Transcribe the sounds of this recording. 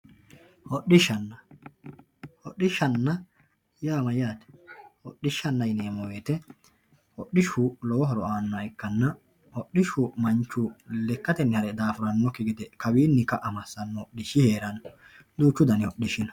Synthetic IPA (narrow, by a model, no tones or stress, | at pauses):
hɔɗɪʃɐnːɐ | hɔɗːɪʃːɐnːɐ | jaːmɐjaːt̪ɛ̥hɔɗːɪʃːɐnːɐjɪneːmɔweːt̪ɛ | hɔɗɪʃʊlɔwɔɦɔɾɔaːnːɔɐɪkːɐnːɐ | hɔɗɪʃʊmɐnt͡ʃːʊlɛkːɐt̪ɛnːɪhɐɾɛd̪aːfʊɾɐnːɔkɪɡɪd̪ɛkɐbiːnːɪkːɐʔɐmɐsːɐnːɔɗɪʃɪheːɾɐn | d̪uːt͡ʃːʊd̪ɐnɪɔɗɪʃɪnɐ